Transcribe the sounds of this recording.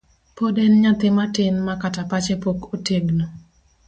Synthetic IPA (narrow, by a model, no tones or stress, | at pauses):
podɛnɲat̪ɪmatɪnmakatapat͡ʃepokoteɡno